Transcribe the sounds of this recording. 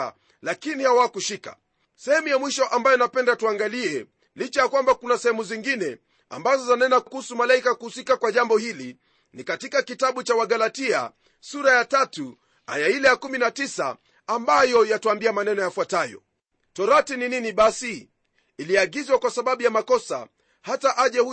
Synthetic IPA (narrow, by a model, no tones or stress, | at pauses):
a | lakinihawakuʃikḁ̰ | sɛhɛmujamwiʃɔʔambajɔnapɛndatuaŋɡaliɛ | lit͡ʃajakwambakunasɛhɛmuziŋɡinɛ | a̰mbazɔzanɛnakuhusumalaikakuhusikakwaʄambɔhili | nikatikakitaɓut͡ʃawaɡalatia̰ | suɾajatatu | a̰jailɛjakuminatisa̰ | ambajɔjatuambiamanɛnɔjafwatajɔ̰ | tɔɾatinininiɓasi | iliaɡizwakwasaɓaɓujamakɔsa̰ | hataʔaʄɛh